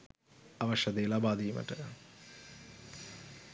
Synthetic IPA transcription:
ɐʋɐʃɐd̪eːlabaːd̪iːmɐ̰ʈɐ

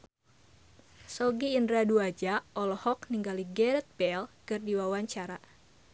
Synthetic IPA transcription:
sɔɡiːndɾaduad͡ʒaɔlɔhɔkniŋɡaliɡɛɾɛt̪̚bɛlkɨrdiwawaɲt͡ʃaɾa

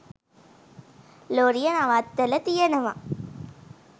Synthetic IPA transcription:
loɾijɐnaʋat̪ːɐlɐt̪ijɐnɐʋa̰

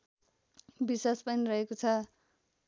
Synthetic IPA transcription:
biswaspʌnirʌɦekot͡sʰʌ

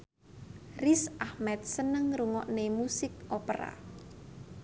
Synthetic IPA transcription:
risʔahmɛt̪̚sənəŋruŋɔʔnemusɪkopəɾa̰

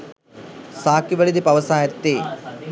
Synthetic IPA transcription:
saːkiʋɐɭid̪ipɐʋɐsaːjɐt̪ːe

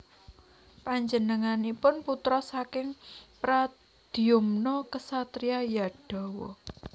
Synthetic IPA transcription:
paɲd͡ʒənəŋanipʊnput̪ɾɔsakɪŋpɾa | d̪̥i̤ʊmnɔkəsat̪ɾiajaɖ̥ɔ̤wɔ̰

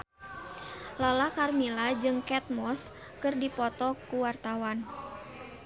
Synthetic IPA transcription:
lalakarmilad͡ʒɨŋkɛt̪̚mɔs | kɨrdipɔt̪ɔkuwart̪awan

